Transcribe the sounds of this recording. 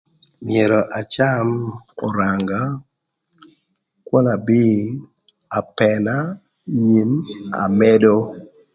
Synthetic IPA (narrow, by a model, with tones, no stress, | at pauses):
mje˨ɾɔ˨ʔa˨t͡ʃa˦mɔ˨ɾa˨ŋɡa˦ | kwɔ˦na˨bɪ˦ | a˨pɛ˨na˦ | ɲi˨ma̰˨mɛ˦do˦